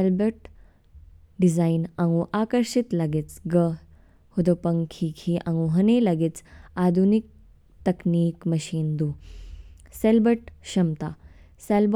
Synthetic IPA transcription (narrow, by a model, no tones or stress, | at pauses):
elbəʈ | ɖizainãŋɡuʔakəɾɕit̪laɡet͡sɡə | hud̪opɐŋkʰiːkʰiːʔaŋɡuɦɐnelaɡet͡sad̪ʱunik̚ | t̪ɐkniːkmɐɕiːnd̪uː | selbəʈɕɐmt̪a̰ | selb